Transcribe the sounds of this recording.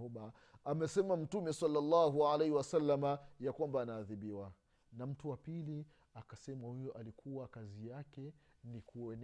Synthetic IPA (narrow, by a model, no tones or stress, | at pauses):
uɓa | amɛsɛmam̩tumɛsalːalːaɦualejhiwasalːamajakwambaːnaːðiɓiwa | nam̩tuwapili | akasɛmahujɔʔalikʰuwakazijakɛnikuɛn